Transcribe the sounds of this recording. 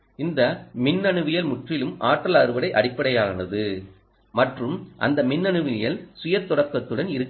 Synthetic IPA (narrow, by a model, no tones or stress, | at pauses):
ɪnd̪ɐmɪnːɐɳɯʋɪjɐlmʊʈrɪlɯmaːʈːɐlɐɾɯʋɐɽɐɪʔɐɽɪpːɐɽɐjaːnɐðɯ | mɐʈrɯmʔɐ̰nd̪ɐmɪnːɐɳɯʋɪjɐlsʊjɐɾt̪ːɔɽɐkːɐt̪ːɯɽɐnɪɾɯkː